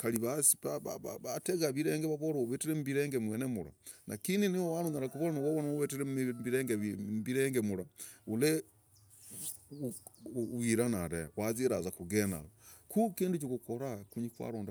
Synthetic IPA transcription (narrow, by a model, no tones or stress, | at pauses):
kaliβasiβaβββateɣaβiɾeːŋɡeβaβoɾooβetiɾemuβiɾeːŋɡemweːnemula̰nakininiwowaɾuŋaɾakuβoɾanawoβonaoβetiɾembiɾeːŋɡemβiɾeːŋɡemulaule | wiɾanaɾewaziɾazakuɡena̰lokukiːndut͡ʃikukoɾakuɲikwa̰ɾoːnda